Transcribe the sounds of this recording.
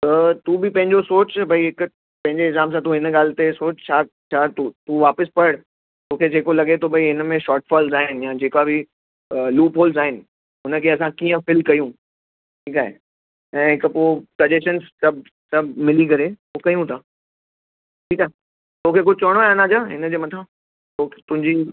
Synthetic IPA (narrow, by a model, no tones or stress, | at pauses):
t̪uːbʱɪpɐ̃ɦɪ̃ɲd͡ʑosoːt͡ɕbʱɐiɦɪk | pɐ̃ɦɪ̃ɲd͡ʑeɪzaːms̬ãt̪̬ũɦɪnɠaːlɪt̪esoːt͡ɕt͡ɕʰaː | t͡ɕʰaːt̪ut̪uʋaːpəspɐɽ | t̪oːkʰed͡ʑeːkolɐɡet̪ʰobʱɐiɦɪnəmẽʃɔːʈfʰaːlzaːɦɪnɪ̆jaːd͡ʑeːkabʱɪ | luːpoːlzaːɦɪnɪ̆ | ʊnəkʰeɐsãkiːə̃fɪlkɐjũ | ʈʰiːkaːɦḛ | ɛ̃ːɦɪkpoːkɐd͡ʑeʃənssɐbʱ | sɐbʱmɪlikɐɾe | oːkɐjũt̪ʰaː | ʈʰiːkaːɦe | t̪oːkʰek̬ʊd͡ʑʱɪt͡ɕoːɽ̃onãd͡ʑaːɦɪnəd͡ʑeːmɐt̪ʰã | ot̪ʊ̃ɦɪ̃ɲd͡ʑi